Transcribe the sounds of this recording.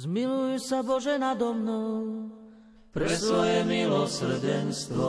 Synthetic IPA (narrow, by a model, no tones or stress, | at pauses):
zmilujusabɔʒɛnad̪ɔmnɔw | pɾɛsʋɔjɛmilɔsr̩ɟɛnst̪ʋɔ